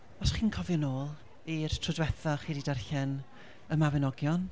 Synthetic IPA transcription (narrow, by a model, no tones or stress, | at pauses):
ɔsχiːnkʰɔvjɪnoːlˠ | irtʰrʊdwɛθɔχiːɾidarɬɛn | əmawɛnɔɡjɔn